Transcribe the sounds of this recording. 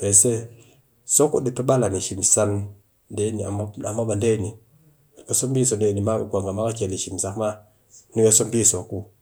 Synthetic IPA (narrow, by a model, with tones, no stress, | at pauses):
pe˨se˦ | so˦kṵ˦di˨tu˦ɓa˦la˨ni˨ʃi˨msa˦n | de˦ni˨a˨m˦a˨ma˦ba˨nde˦˨ni˨ | ka˨so˦mbi˦so˨nde˦˨ni˨ma̰˦˨kʷa˨ŋɡa˨ma˦ka˦ke˨li˨ʃi˨msa˨kma˦ | ni˦ke˦so˦mbiː˦so˨ku˦